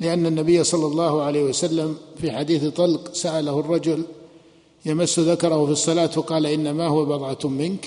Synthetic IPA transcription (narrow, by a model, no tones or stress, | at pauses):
lɪʔanːanːabɪjːasˤɑlːɑlˤːɑːhʊʕalejhɪwasalːamfiħad̪iːθt̪ˤɑlqsaʔalahʊrˤːɑd͡ʒʊl | jamasːʊðakɑɾˤɑhʊfisˤːɑlaːt̪wɑqɑːlaʔɪnːamahʊwabɑðˤʕɑt̪mɪnk